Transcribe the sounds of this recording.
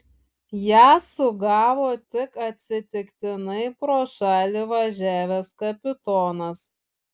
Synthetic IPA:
jæːsʊɡɑːʋoːt̪ʲɪkɐt̪ʲsʲɪt̪ʲɪkt̪ʲɪnɐɪpɾoːʃɑːlʲiʋɐʒʲæːʋʲɛskɐpʲɪt̪ɔːnɐs

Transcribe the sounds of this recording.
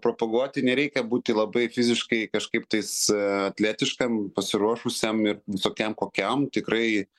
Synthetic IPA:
pɾopɐɡuɔt̪ʲɪnʲɛɾʲɛɪkʲɛbuːt̪ʲɪlˠɐbɐɪfʲɪzʲɪʃkɐɪkɐʃkɐɪp̚t̪ɐɪsɐt̪ʲlʲæːt̪ʲɪʃkɐmpɐsʲɪɾuɔʃʊsʲɛmɪrʋʲɪsoːkʲɛmkoːkʲɛmt̪ʲɪkɾɐɪ

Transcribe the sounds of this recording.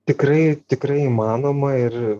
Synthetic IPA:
t̪ʲɪkɾɐɪt̪ʲɪkɾɐɪimɑːnoːmɐɪr

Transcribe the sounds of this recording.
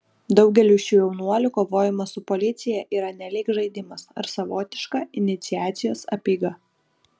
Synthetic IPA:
d̪ɒʊɡʲɛlʲuːʃʲuːjɛʊnuɔlʲʊkoːʋoːjɪmɐsʊpɔlʲɪt̪sʲɪjɛʔiːɾɐnʲɛlʲɪːkʒɐɪd̪ʲɪmɐsɐ̰ɾsɐʋoːt̪ʲɪʃkɑɪnʲɪt̪sʲɪjæːt̪sʲɪjoːsɐ̰pʲiːɡɐ

